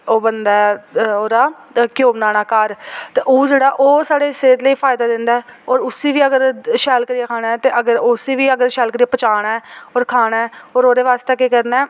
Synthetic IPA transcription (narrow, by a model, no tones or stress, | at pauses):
oːbənd̪aːɛoːɾaː | kɪjoːbnaːnaːkaːɾt̪eːʔoːd͡ʒeːɽaːʔoːsaːɽeːseːt̪ləiːpʰaːjd̪aːd̪ɪnd̪aɛːoːɾʊsiːʋiːəɡəɾʃɛːlkəɾijaːkʰaːɽaːɛt̪eːʔəɡəɾʊsiːʋiːəɡəɾʃɛːlkəɾijaːpət͡ʃaːɽ̃aɛːoːɾkʰaːɽ̃aɛːoːɾoːd̪eːʋaːst̪eːkekəɾnaː